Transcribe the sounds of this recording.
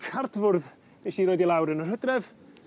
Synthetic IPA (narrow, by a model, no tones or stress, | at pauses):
kʰardvʊrð | b̥eʃiːɾoːjdilˠawɾənər̥ɦədrɛv